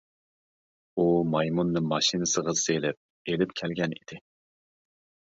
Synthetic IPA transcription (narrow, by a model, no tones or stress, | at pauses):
umɑjmunːɨmɑʃinɨsəʁɑselɪp̚ | elɪpkʲʰɛlɡʲɛnid̪̥ɪ